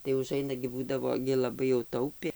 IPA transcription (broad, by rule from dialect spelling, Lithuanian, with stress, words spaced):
tɐɪ ʊˈʒɐɪnɐ ɡʲɪ ˈbuːdɐʋoː ɡʲɪ lˠɐˈbɐɪ jɛʊ ˈtɐʊpʲeː